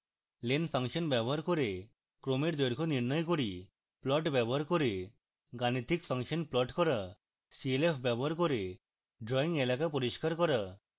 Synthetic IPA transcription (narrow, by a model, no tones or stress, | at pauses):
lenpʰaŋʃɔnbɛbɔɦaɾkoɾe | kɾomeɾd̪ɔjɾkʰɔniɾnɔjkoɾi | plɔʈbɛbɔɦaɾkoɾe | ɡanit̪ʰikpʰaŋʃɔnplɔʈkɔɾa | sielepʰbɛbɔɦaɾkoɾe | ɖɾɔiŋelakapɔɾiskaɾkɔɾa